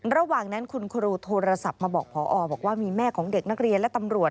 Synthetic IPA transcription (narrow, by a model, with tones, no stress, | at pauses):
ɾa˧waː˨˩ŋna˦˥nkʰu˧nkʰu˧ɾuː˧t̪ʰoː˧ɾa˧sa˨˩p̚maː˧bɔː˨˩k̚pʰɔː˩˦ʔɔː˧bɔː˨˩k̚waː˥˩miː˧mɛː˥˩kʰɔː˩˦ŋde˨˩k̚na˦˥k̚ɾi˧ənlɛ˦˥t̪a˧mɾu˨˩ət̪̚